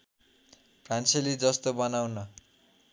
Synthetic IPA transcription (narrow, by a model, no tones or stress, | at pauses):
kanselid͡zʌst̪obʌnawnʌ